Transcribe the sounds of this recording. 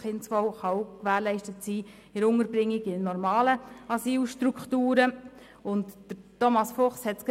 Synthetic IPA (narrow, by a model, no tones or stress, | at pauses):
χɪntt͡sfɔwχɑwkʋæːɾlɛɪʃtətsiː | ɪɾʊŋəɾbɾɪŋːɪɡɪnnːɔɾmɑːləɑsiːlʃtɾukχtuːɾə | ʊntd̥əɾtɔmɑsfɔχshɛtsk